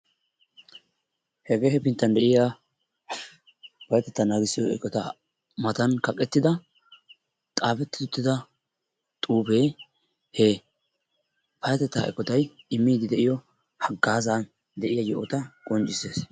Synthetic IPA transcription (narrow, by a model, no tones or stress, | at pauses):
hɛɡe̞ːhɛpɪnt̪ːɐnd̪ɛʔɪja | pɐjɐt̪ɛt̪ːɐnaːɡɪsɪjɔɛkʼːɔt̪ɐ | mɐt̪ɐnkɐkʼɛt̪ːɪd̪ɐ | t̪ʼaːfɛt̪ːɪ̥t̪ʊt̪ːɪd̪ɐ | t̪ʼuːbeː | hɛ | pɐjɐt̪ɛt̪ːɐ̰ʔɛ̰kʼːɔt̪ɐj | ɪmːiːd̪ɪd̪ɛʔɪjɔ | hɐɡːaːzaːn | d̪ɛʔɪjajɔʔɔt̪ɐkʼɔnt͡ʃʼɪseːs